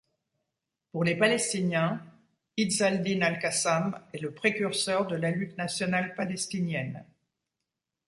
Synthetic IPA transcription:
puʁlepalɛst̪injɛ̃ | id̪zald̪inalkasamɛləpχekʲyʁsœʁd̪əlalyt̪nasjɔnalpalɛst̪injɛn

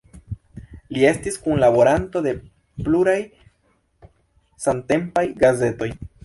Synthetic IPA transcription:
lie̞stiskunlabo̞ɾanto̞de̞ | pluɾaj | sante̞mpajɡaze̞to̞j

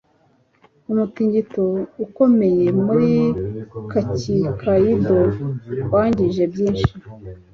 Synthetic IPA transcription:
umutiːɲɟitouko̞me̞je̞muɾikacikʰajidowaːɲɟiʒe̞bjiːnʃi

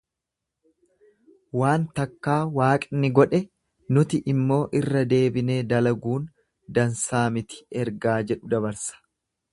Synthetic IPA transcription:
waːnt̪ɐkːaːwaːkʼɪnːɪɡɔᶑɛ | nʊt̪ɪʔɪmːo̞ːʔɪrːɐd̪e̞ːbɪne̞ːd̪ɐlɐɡuːn | d̪ɐnsaːmɪt̪ɪ̥ɛɾɡaːd͡ʒɛᶑʊd̪ɐbɐɾsɐ̥

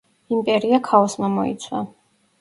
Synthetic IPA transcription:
impʼɛɾiakʰaɔsmamɔḭt̪sʰwa̰

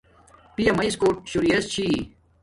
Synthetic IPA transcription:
pijɐmɐiskoːʈ̚ɕuɾiɐst͡ɕʰi

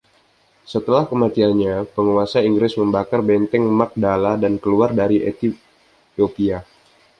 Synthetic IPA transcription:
sət̪əlahkəmat̪ianɲapəŋuasaiŋɡɾɪsməmbakarbɛnt̪ɛŋmak̚daladankəluardaɾiʔet̪i | opia

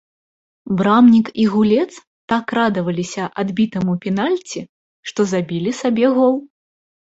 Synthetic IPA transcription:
bɾamnʲikiɣulʲɛt̪s | t̪akrad̪ɐvɐlʲisʲɐʔad̪bʲit̪ɐmupʲinalʲt͡sʲi | ʂt̪ɔzabʲilʲisabʲɛɣɔlˠ

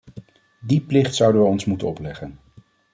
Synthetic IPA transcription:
diplɪχtsʌwdəʋəɔnsmutənɔplɛχən

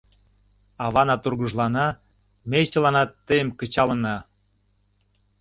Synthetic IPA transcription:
ɑβɑnɑt̪urɣəʒlɑnɑ | mejt͡ɕəlɑnɑt̪ːəjəmkə̆t͡ɕɑlə̆nɑ

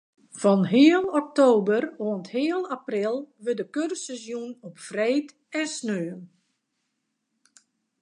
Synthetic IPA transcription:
fɔnɦɪəlˠɔk̚toːbəroənthɪəlˠaprɪlˠʋədəkørsɛzjunɔpfreːt | ɛnsnøːn

